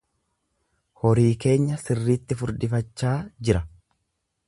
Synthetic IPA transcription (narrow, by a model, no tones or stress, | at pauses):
hɔɾiːke̞ːɲːɐsɪrːiːt̪ːɪfʊɾd̪ɪfɐt͡ʃːaːd͡ʒɪɾɐ